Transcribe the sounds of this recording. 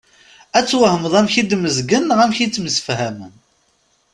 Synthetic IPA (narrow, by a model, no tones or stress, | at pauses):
æt͡sːwəhəmðˤæmçid̪məzɡənʁæmçit͡sːməsə̥fhæmə̰n